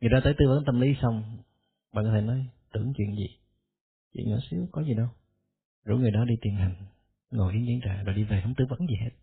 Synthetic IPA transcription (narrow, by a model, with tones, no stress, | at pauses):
ŋɨ˨˩ət̪aː˧t̪əː˨˦jt̪ɨ˧və̰˧˥nt̪ə˧mli˨˦sa˧wŋ͡m | ɓaː˨nkːt̪ʰe˧˦nɔ˨˦jt̪ɨ˧˩əŋt͡ɕwḭ˧˨ənzḭ˨˩ | t͡ɕwḭ˧˨nŋə̰ː˧˩si˨˦əwkɔ˨˦zi˨˩ɗə˧w | zṵ˧˥˦ŋɨ˨˩əjɗɔ˨˦ɗi˧t̪i˨˩ənɦa˨˩jŋ̟ | ŋo˨˩ʔi˨˦ənki˧˦nt͡ɕa̰ː˧˩zo˨˩jɗi˧ve˨˩hə˧wŋ͡mt̪ɨ˧və̰˧˥nzi˨˩ɦe˦˥t̚